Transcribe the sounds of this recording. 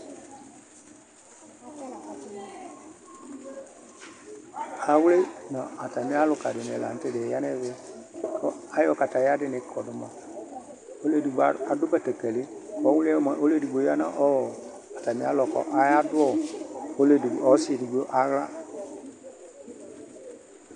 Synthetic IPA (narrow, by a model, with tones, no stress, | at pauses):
a˨˦wu˦e˦nɔ̃˨a˨ta˨mĩ˦a˦lʊ˨ka˨dɪ˨n˨ɛ˨la̰˨n̩˦tɪ˦de˨˦ja˦nɛ˦ve˨˦kɔ̰˦a˨˦jɔ˨ka˨ta˨ja˦dɪ˨nɛ̃˨˦kʰɔ˨dʊ˨mã˨ | o˦le˦˨di˨ɡ͡ba˨a˨dʊ˦kɛ˨tɛ˨kɛ˨lɪ˦kɔ˨˦wu˦lɛ˦˨mã˨ʔo˦le˦˨di˨ɡ͡bo˨˦ja˦nã̰˦ʔɔ˦˨ | a˨ta˨mĩ˦a˦lɔ˨kɔ̰˨ʔa˨˦ja˦dʊ˦ɔ˦˨o˦le˨dɔ˦si˦e˨di˨ɡ͡bo˦ʔa˨˦ɣla̰˦